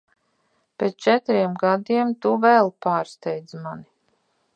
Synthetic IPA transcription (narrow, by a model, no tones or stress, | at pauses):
pʲest͡ʃɛt̪ɾiɛmɡad̪iɛmt̪uvɛlˠpaːɾst̪ɛjd̪zmani